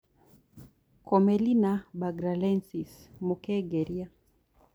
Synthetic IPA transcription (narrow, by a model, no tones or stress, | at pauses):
kʰɔmɛlinabaɡɾalɛnsismukɛɡɛɾia